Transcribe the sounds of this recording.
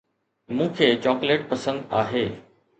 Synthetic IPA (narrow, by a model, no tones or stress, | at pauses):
mũːkʰeːt͡ɕɔːkleːʈ̚pɐsə̃nd̪aːɦeː